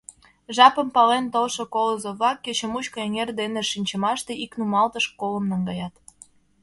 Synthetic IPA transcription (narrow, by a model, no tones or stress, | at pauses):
ʒɑpə̆mpɑlent̪olʃokoləzoβɑkːet͡ɕĕmut͡ɕkoeŋerd̪eneʃinʲt͡ɕə̆mɑʃt̪eiknumɑlt̪əʃkolə̆mnɑŋɡɑjɑt̪